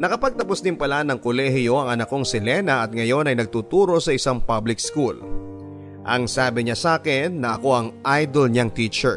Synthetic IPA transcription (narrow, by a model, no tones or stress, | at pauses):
nɐkɐpɐɡ̚t̪ɐposd̪ɪnpɐlanɐŋkolɛhɪjo̞ʔɐŋɐnɐko̞ŋsɪlɛnɐʔɐt̪̚ŋɐjo̞nɐjnɐɡ̚t̪uːt̪uːɾo̞sɐʔɪsaŋpablɪk̚skul | ʔɐŋsaːbɪɲɐsaːkɪnːɐʔɐko̞ʔɐŋʔajd̪olɲɐŋt̪iːt͡ʃɛɹ